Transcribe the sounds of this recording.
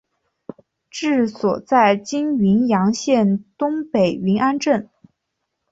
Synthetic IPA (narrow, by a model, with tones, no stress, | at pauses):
ʈ͡ʂɻ̩˥˩swɔ˨˩t͡sa˥˩ɪt͡ɕi˥nɥi˧˥njɑ˧˥ŋɕjɛ˥˩nt̪ʊ˥ŋpe˨˩ɪɥi˧˥nʔa˥nʈ͡ʂə˥˩n